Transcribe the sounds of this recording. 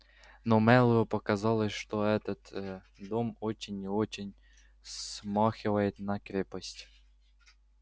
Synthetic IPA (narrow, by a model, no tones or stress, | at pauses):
nomɛlˠʊjʊpɐkɐzɑlˠəʂt̪oɛt̪ət̪ | d̪omot͡ɕɪnʲɪot͡ɕɪnʲ | smɑxʲɪvəjɪt̪nɐkɾʲepəsʲtʲ